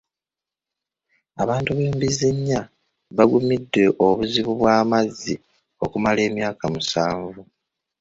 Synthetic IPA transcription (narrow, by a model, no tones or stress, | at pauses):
aβaːntuβeːmbizeɲːa | βaɡumidːe̞ʔoβuziβuβwaːmazːi | o̞kumale̞ːmjaːkamusaːɱvu